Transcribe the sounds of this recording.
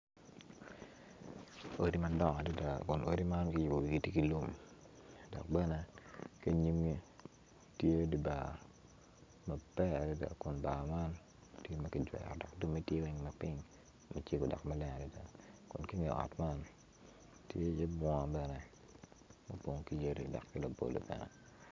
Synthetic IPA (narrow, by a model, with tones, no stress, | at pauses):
o˦ɾi˦mɐ˦dɔ˦ŋɔ˨di˦da˨kʊ˨nʔo˦ɾi˦ma˦nkɪ˦ji˨bo˨wi˨ɡi˨ti˦ki˨lu˦m | dɔ̰˨k̚bɛ˦nɛ˦ke˦ɲi˦mɡi˦ | tje˦di˨ba˨ | mɐ˨b̥ɛ˦a˨di˦da̰˨kʊ˨nba˨ma˦n | tje˦mɐ˦ki˨d͡ʒwɛ̰˨ɔ˨dɔ˨kdu˦mːe˦tje˦wɛ˨˦ŋmɐ˨pɪ˦ŋ | mɐ˦t͡ʃe˦ɡo˨dɔ̰˨kma˦lɛ˦ŋa˨di˦da̰˨kʊ˨nki˦ŋɪ˨ɔ̰˨tma˦n | tje˦je˦bɔ˨bɛ˦nɛ˨ | mɐ˦po˨ŋki˦je˦ɾḭ˦dɔ̰˨kːi˦la˨bo̰˨lo̰˨bɛ̰˨nɛ̰˨